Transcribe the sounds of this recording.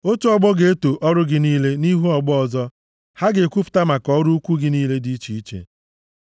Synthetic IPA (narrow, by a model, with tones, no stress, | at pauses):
o˦t͡ʃʊ˦ɔ˦ɡ͡bɔ˦ɡe˨e˦to˨ʔɔ˦ɾʊ˦ɡɪ˦niː˦le˦ni˦ɦu˦ɔ˨ɡ͡bɔ˦ɔ˨zɔ˦ | ha˦ɡe˨kʷu˦pʊ̥˨ta˦ma˨kɔ˦ɾʊ˦kʷu˦ɡɪ˦niː˦le˦di˦t͡ʃi˨i˦t͡ʃḛ˨